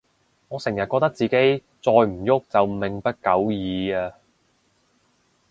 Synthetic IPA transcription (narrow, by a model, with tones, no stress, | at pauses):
ŋɔː˨˧sɪ˨˩ŋjɐ˨t̚kɔː˧k̚t̪ɐ˥k̚t͡siː˨ke˨˥j | t͡sɔː˧jm̩˨˩jʊ˥k̚t͡sɐ˨wmɪ˨ŋpɐ˥t̚kɐ˨˥wjiː˨˧aː˧